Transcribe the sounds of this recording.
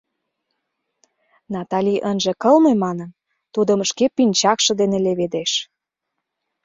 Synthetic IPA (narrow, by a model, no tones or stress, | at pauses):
nɑt̪ɑlʲiʔənʒĕkəlmemɑnən | t̪ud̪ə̆məʃkepynʲt͡ɕɑkʃɤ̆d̪eneleβed̪eʃ